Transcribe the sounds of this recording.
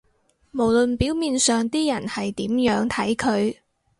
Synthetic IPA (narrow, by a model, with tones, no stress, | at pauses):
mo˨˩wlɵ˨npiː˨˥wmiː˨nsœː˨ŋt̪iː˥jɐ˨˩nhɐ˨jt̪iː˨˥mjœː˨˥ŋt̪ʰɐ˨˥jkʰɵ˨˧ɥ